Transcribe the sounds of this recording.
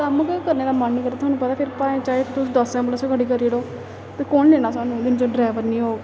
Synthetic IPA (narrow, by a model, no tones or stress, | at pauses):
kəmkkəɾneːd̪aːmənːiːkəɾd̪aːt̪ʰwaːnũːpət̪aːpʰɪɾpaːẽːt͡ʃaːeːt̪ʊsd̪əsɛ̃ːmbəloːsokəɽiːkəɾiːɽoː | t̪eːkoːnleːɽ̃aːsaːnũːd̪ɪnd͡ʒoɖɾaːʋəɾnĩːɦoː